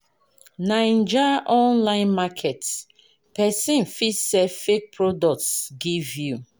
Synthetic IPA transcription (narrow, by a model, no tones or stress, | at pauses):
naĩnd͡ʒaʔɔ̃nlãɪ̃nmakʰɛt | pɛsĩnfisɛfek̚pʰɹɔdɔk̚tsɡivju